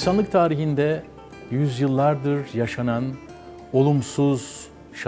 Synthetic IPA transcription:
sanlˠɯk̚t̪ʰaːɾiɦind̪ɛ | jyzjɯlˠːaɾd̪ɯɾjaʃanan | o̞lˠumsuz̥ | ʃ

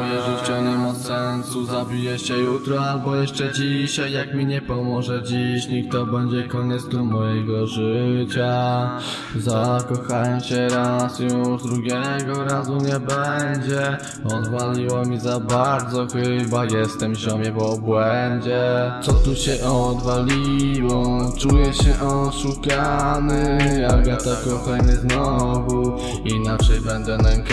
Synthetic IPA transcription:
jɛʐɨt͡ɕaɲɛmasɛnsuzabʲijɛɕɛjut̪ɾɔalbɔjɛʂt͡ʂɛd͡ʑiɕajːakmʲiɲɛpɔmɔʐɛd͡ʑiɕɲik̚t̪ɔbɛɲd͡ʑɛkɔɲɛtd̪zd̪umɔjɛɡɔʐɘt͡ɕa | zakɔxajɔmɕɛɾasjuʐd̪ɾuɡʲjɛɡɔɾazuɲɛbɛɲd͡ʑɛ | ɔd̪valʲiwɔmʲizabaɾd̪zɔxɘbajɛst̪ɛmʑɔmʲjɛvɔbwɛɲd͡ʑɛt̪sɔt̪uɕɛʔɔɔd̪valʲiwɔt͡ʂujɛɕɛʔɔt̪ʂukanɘaɡat̪ɔkɔxanɛznɔvu | inat͡ʂɛjbɛnd̪ɛlɛŋk

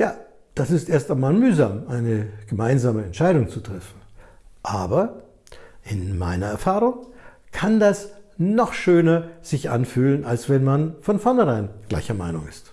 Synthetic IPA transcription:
jaː | d̥asɪstʔeːɐstaɪnmaːlmyːzaːmʔaɪnəɡ̥əmaɪnzaːməɛntʃaɪɾʊŋt͡sutʁ̥ɛfn̩ | ʔaːbɐ | ʔɪnma̰ɪnɐɛɐfaːʁʊŋ | kʰandasnɔχʃøːnɐz̥ɪçʔa̰nfyːlənalsv̥ɛnmanfɔnfɔɐnhɛʁaɪnɡ̥la̰ɪçɐma̰ɪnʊŋɪ̰st

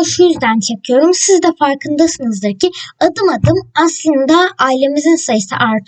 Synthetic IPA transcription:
ʃujizd̪ænt͡ʃʰakʰɯjo̞ɾumsizd̪ɛfaɾkʰɯnd̪asɯnɯzd̪ɯɾcʰiad̪ɯmad̪ɯmaslˠɯnd̪aajlʲe̞mizinsajɯsɯ̰ʔaɾt̪ʰ

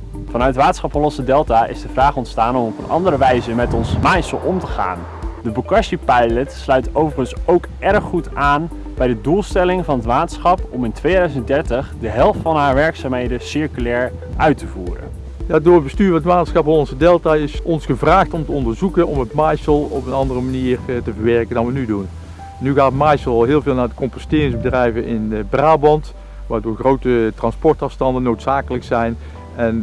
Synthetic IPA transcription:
v̥ɑnœɥtʋaːtsχɑpɦɔlɔnsədɛlˠtaːʔɪ̰zdəvraːχɔntstaːnɔmɔpənʔɑ̰ndəɾəʋɛjzəmɛtɔnsmajsəlˠʔɔmtəχa̰ːn | dəbəkɑʃipɛjlətslœɥtowvəχənsowkʔɛrχːutaːn | b̥ɛjdədulˠstɛlɪŋvɑnətʋaːtsχɑpɔmɪntʋejdœɥzəntdɛɹtəχdəɦɛlˠftfɑnɦaːɹʋɛɹksaːmɦejdəsɪɹkylɛːɹ | ʔœɥtəvuːrə̰n | jaːdʊːɹəbəstyːɹʋənətmaːtəsxɑpfɔːnɔnzədɛlˠtaɪsɔnsxəvraːxtɔmtəɔndəɹzukənɔmətmajsəlˠɔpənɑndərəmaniːrtəvəɹʋɛɹkəndɑnʋənydun | nyɣaːtmajsəlˠɑlˠɦɪːlˠvɪːlˠnaːɹdəkɔmpɔstɪːrɪŋzbədrɛjvənʔɪnbraːbɑnt | ʋaːɹdoːɹɣrowtətrɑnspɔɹtɑfstɑndənːowtsaːkələksɛjn | ɛn

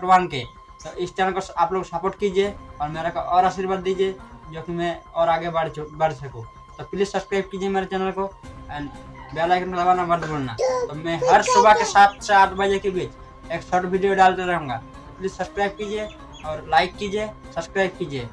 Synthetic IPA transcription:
ɾbaːnke | t̪oʔɪst͡ʃɛːnəlkoaːploksapoʈkid͡ʒieɔːɾmeːɾakoʔɔːɾaʃiɾbaːd̪ːid͡ʒed͡ʒokimɛ̃ɔːɾaːɡebaɽbəɽsəkũ | t̪opɪlissəbskɾaɪb̚kid͡ʒiemeːɾat͡ʃɛːnəlkoɛːnbalaɪkənked̪əbaːnaməɾd̪ʱbolna̰t̪omɛ̃ɦəɾsobakesaːt̪seaːʈʰbəd͡ʒekebit͡ʃ | eːksɔʈbʱiɖijoɖaːlt̪eɾəɦũːŋɡa̰ | pɪlɪssəbskɾaːɪb̚kid͡ʒe | ɔːɾlaɪkːid͡ʒe | səbskɾaɪb̚kid͡ʒe

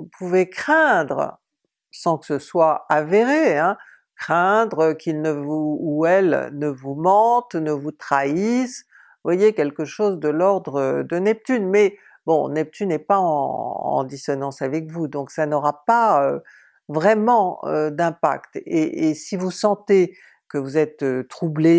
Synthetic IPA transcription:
upʰuvekχɛ̃d̪ʁə | sɑ̃kə̥səswaaveʁeɛ̃ | kχɛ̃d̪ʁəkilnəvuːɛlnəvumɑ̃t̪nəvut̪χais | vwajekɛlkəʃozd̪əlɔʁd̪ʁəd̪ənɛp̚t̪ynmɛ | bɔ̰̃nɛp̚t̪ynɛpaɑ̃ɑ̰̃d̪isɔnɑ̃savɛkvud̪ɔ̃ksanɔʁapaø | vʁɛmɑ̃ø̰d̪ɛ̃pa̰kt̪eʔːsivusɑ̃t̪e | kəvuzɛt̪øt̪χuble

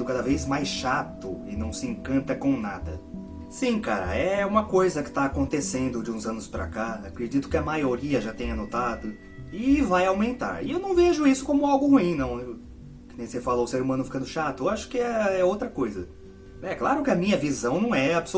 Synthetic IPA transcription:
ʊkad̪ɐvejzmajsʃat̪ʊɪnɐ̃w̃sɪẽkɐ̃nt̪ɐkõnad̪ɐ̰ | sĩka̰ɾɐ̰ɛũmɐkojzɐkɪ̥t̪aːkõnt̪esẽnd̪ʊd͡ʒɪũzɐ̃nʊspɾa̰kaakɾed͡ʒit̪ʊ̥kɪɐmajoɾiɐʒat̪ẽj̃ɐnot̪ad̪ʊ | ɪvajawmẽnt̪a̰ɾɪ̰ewnɐ̃w̃veʒʊisʊ̥kõmʊawɡʊhuĩnɐ̃w̃ | kɪnẽj̃sefalɐʊseɾumɐ̃nʊfikɐ̃d̪ʊʃat̪ʊewaʃʊ̥kɪɛɛowt̪ɾɐkojzɐ | ɛklaɾʊkɪɐmĩɲɐvizɐ̃w̃nɐ̃w̃ɛabso

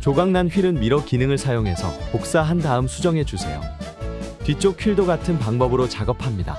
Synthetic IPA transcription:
t͡ɕoɡaŋnanɸɥiɾɯnmiɾʌkinɯŋɯɭsʰajoŋɦe̞sʰʌ̰pok̚s͈aɦandaɯmsʰud͡ʑʌŋɦe̞d͡ʑusʰe̞̰jo̰ | pit͡ɕ͈okʰiɭdoɡatʰɯnpaŋbʌbɯɾot͡ɕaɡʌpʰamɲida̰

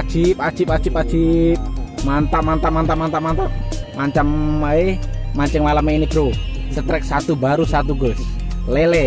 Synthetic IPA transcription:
ʒ̥ip̚ḁʒ̥ipad̥ʒ̥ipḁd͡ʒ̥ip̚mant̪aʔmant̪aʔmant̪aʔmant̪aʔmant̪aʔmaɲt͡ʃamaemaɲt͡ʃəŋmalameinib̥ɾo | sət̪ɾɛk̚sat̪ubaɾusat̪uɡɔs | lɛlɛ

